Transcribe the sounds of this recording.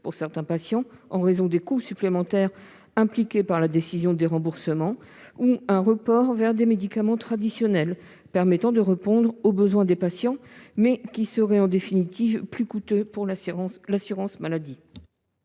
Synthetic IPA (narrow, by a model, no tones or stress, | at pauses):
puʁsɛʁt̪ɛ̃pasjɑ̃ɑ̃ʁezɔ̃d̪ekusyplemɑ̃t̪ɛʁ | ɛ̃plikʲepaʁlad̪esizjɔ̃d̪eʁɑ̃buʁsəmɑ̃ | uɛ̃ʁəpɔʁvɛʁd̪emed̪ikamɑ̃t̪χad̪isjɔnɛl | pɛʁmɛt̪ɑ̃d̪əʁəpɔ̃d̪ʁobəzwɛ̃d̪epasjɑ̃mɛkʲisəʁɛɑ̃d̪efinit̪ivplykut̪øpuʁlasyʁɑ̃smalad̪i